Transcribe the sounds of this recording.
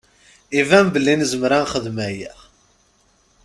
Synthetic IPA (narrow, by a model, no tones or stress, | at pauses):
ivæmbəlːinzəmɾanχəðmæji